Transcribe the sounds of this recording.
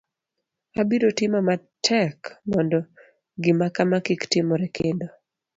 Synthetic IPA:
abiɾotɪmɔma | tʰɛkmɔndɔ | ɡɪmakamakiktɪmɔɾɛkʰendo

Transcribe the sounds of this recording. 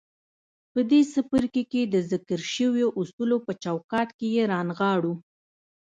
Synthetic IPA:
pəd̪esəpəɾkeked̪əzɪkəɾʃəwjoʔusulopət͡ʃawkɑt̪kejeɾɑnɣɑɽu

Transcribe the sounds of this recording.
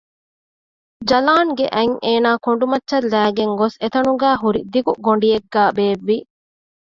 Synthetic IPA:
d͡ʒɐlaːŋɡeʔɐŋʔeːnaːkoɳɖumɐtːʃɐlːæːɡeŋɡoset̪ɐnuɡæːɦuɾid̪iɡuɡoɳɖieɡːæːbeːʋːi

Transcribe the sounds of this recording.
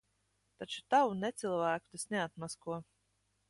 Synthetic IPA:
t̪at͡ʃu̥t̪awunɛt̪silˠvæːku̥t̪asʲnɛat̪̚maskuɔ

